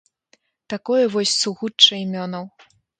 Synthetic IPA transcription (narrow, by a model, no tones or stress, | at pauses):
t̪akɔjɛvɔsʲsuɣut͡ʂːɐimʲɔnɐw